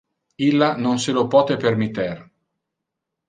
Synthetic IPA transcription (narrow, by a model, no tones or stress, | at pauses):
ilːanonselopɔːt̪epermit̪ːer